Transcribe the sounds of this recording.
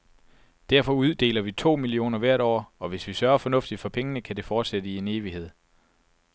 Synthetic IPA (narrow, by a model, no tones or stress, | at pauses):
d̥æɐfɒ̽uð̞ˠd̥e̝̰ːlɐʋit͡sʰo̝̰ːmilio̝̰ːnɐʋæɐ̰ɾ̥ɒ̰ːɒ̽ʋe̝sʋisɶɐfɒ̽nɔ̽fd̥id̥fɒ̽pʰeŋənəkʰæd̥e̝fɒːd̥sed̥əie̝ne̝ːʋihe̝ð̰ˠ